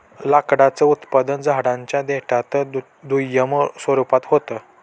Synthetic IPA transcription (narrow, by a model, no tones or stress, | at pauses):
lakɽat͡səut̪pad̪ənd͡zaɦɽãɲt͡ɕjad̪eʈʰat̪ə | d̪ujəməsʋəɾupat̪ɦot̪ə